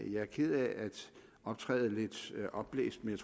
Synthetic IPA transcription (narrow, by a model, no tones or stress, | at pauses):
jɑ̈æɐkʰið̰ˠæʔæd̥ | ɒ̽b̥̚t͡sʰʁɛ̰ːð̞̩ˠəle̝d̥ʔɒ̽b̥lḛːsd̥̚menjæt͡sʰ